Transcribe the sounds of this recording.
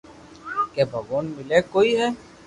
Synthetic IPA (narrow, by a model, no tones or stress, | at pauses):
keːbʱəɡoːnmɪleːkoːiːɦɛː